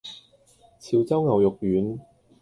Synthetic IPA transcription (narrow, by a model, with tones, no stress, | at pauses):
t͡sʰiː˨˧wt͡sɐ˥wŋɐ˨wjʊ˨k̚jyː˨˥n